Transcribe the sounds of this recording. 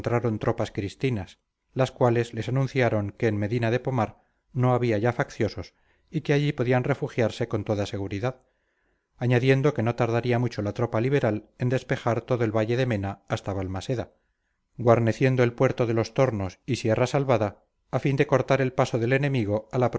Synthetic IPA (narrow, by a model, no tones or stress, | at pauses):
nt̪ɾaɾo̞nt̪ɾo̞paskɾist̪inas | laskwale̞zle̞sanũn̟θjaɾo̞ŋke̞ːnme̞ðinaðe̞po̞maɾ | no̞aβiaʝafakθjo̞so̞s | ike̞aʎipo̞ðianre̞fuxjaɾse̞ko̞nt̪oðase̞ɣ̞uɾiðað | aɲaðje̞nd̪o̞ke̞no̞t̪aɾðaɾiamut͡ʃo̞lat̪ɾo̞paliβ̞e̞ɾale̞nd̪e̞spe̞xaɾt̪o̞ðoe̞lβaʎe̞ðe̞mẽ̞naːst̪aβalmase̞ða | ɡwaɾne̞θje̞nd̪o̞e̞lpwe̞ɾt̪o̞ðe̞lo̞st̪o̞ɾno̞sisje̞rasalβaðaː | find̪e̞ko̞ɾt̪aɾe̞lpasoðe̞le̞nẽ̞miɣ̞o̞alap